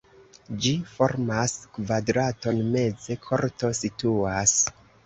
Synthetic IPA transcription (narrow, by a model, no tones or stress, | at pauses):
d͡ʒifo̞ɾmaskvadɾato̞nme̞d͡ze̞kʰo̞ɾto̞situas